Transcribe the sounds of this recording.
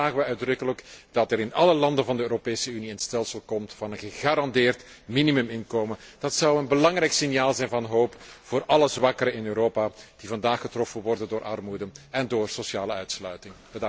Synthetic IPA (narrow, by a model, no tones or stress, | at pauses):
aːɣəʋɛœɥdrɵkələkd̥ɑtɛɾɪnɑləlɑndənvɑndəøːɾopeːsəyniənstɛlˠsəlˠkɔmtfɑnənɣəɣaːɾɑndɪːrtminimɵmɪnkoːmənd̥ɑtsɑwənbəlɑŋrɛjksɪnjaːlˠzɛjnvɑnɦoːpfoːrʔɑləzʋɑkəɾəɪnøːɾoːpad̥ivɑndaːxətrɔfənʋɔrdəndoːɾʔɑrmudəɛndoːrsosjaːləœɥtslœɥtɪŋbə